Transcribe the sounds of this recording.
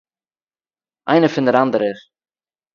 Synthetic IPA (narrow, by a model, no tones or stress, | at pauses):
ʔa̰ɪnəfɪndəɾandəɾɪɾ